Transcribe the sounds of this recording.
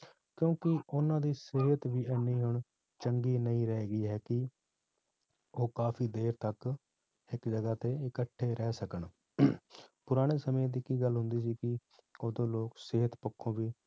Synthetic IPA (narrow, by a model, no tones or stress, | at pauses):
kjõːkɪʊnãːd̪iːsɪɦət̪ʋiːɛːniːɦʊɳ | t͡ʃəŋɡiːnəĩːɾɛːɡiːɦɛːkɪ | oːkaːfʰiːd̪eːɾt̪ək | ɪkd͡ʒəɡaːt̪eːɪkəʈʰːeːɾɛːsəkəɳ | pʊɾaːɽ̃eːsəmːd̪iːkiːɡəlɦʊnd̪iːsiːkɪ | oːd̪õːloːksɪɦət̪pʊkʰːõːʋiː